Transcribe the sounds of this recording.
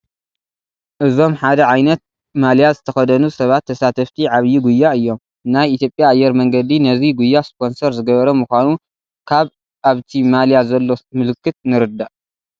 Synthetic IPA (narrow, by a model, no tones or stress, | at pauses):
ʔɨzo̞mħad̪ɐʕajnɐt̪̚ | maljazɨt̪ʰɐxɐd̪ɐnusɐβat̪ʰːɐsat̪ʰɐft̪ʰiʕaβjːuɡujːaɨjːo̞m | najit̪ʰjo̞pʼjaːjːɛɾmɐŋɡɐd̪inɐziɡujːaspʰo̞nsɐɾzɨɡɐβɐɾɐmuxʷanu | kʰaβ | ʔaβt̪ʰimaljazɐlːo̞mɨlɨkʰːɨt̪̚nɨɾɨd̪ːaʔ